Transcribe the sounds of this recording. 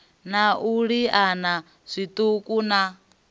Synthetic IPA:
naʔuɺiana | z̥ʷit̪ukʼuna

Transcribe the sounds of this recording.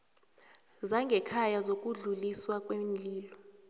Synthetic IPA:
zaŋɡʱɛkʰajazok̬ʼuɮuliswakʼwend͡ɮʱiːlɔ

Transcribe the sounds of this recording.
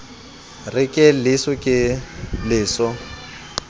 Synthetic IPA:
rɪkʼɪlɪsʊkʼɪlɪːsɔ

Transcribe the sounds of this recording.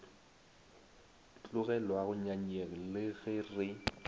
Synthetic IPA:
t͡ɬʼʊɣɛlwaɣʊɲaɲeŋ̩lɪɣɪrɪ

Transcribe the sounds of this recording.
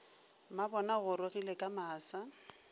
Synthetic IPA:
mabɔnaɣʊɾɪɣilekʼamaːsa

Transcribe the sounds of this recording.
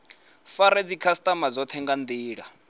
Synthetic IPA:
faɾed͡zikʰast̪ʼamad͡zɔt̪ʰɛŋɡand̪iːɺa

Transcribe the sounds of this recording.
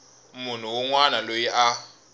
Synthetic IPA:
mun̤uwɔŋwanalojiʔa

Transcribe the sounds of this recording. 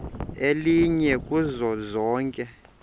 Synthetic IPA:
eliɲɛkʼuzɔzɔːŋkʼɛ

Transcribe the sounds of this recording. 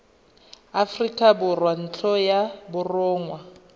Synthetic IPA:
afrikʼabʊrwan̩t͡ɬʰɔjabʊrʊːŋwa

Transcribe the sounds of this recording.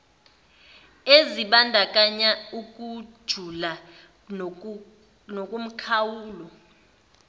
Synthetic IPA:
eziɓandʱak̬ʼaɲauk̬ʼu̥ʒ̥ʱula | nokʼum̩kʰawuːlɔ

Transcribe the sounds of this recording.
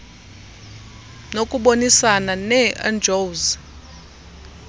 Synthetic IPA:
nokʼuɓonisananɛa̰nd͡ʒʱowz

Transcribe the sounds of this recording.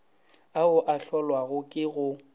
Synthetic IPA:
aʊʔaɬɔlwaɣʊkʼɪɣʊ

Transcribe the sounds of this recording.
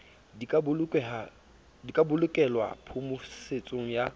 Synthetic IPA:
bʼɛa | dikʼabʊlʊkʼɛlwa̰pʰʊmʊset͡sʼoŋ̩ja

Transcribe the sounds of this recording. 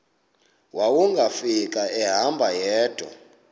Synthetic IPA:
wawuŋɡʱafikʼaɛɦambʱajɛːd̥ʱɔ̰

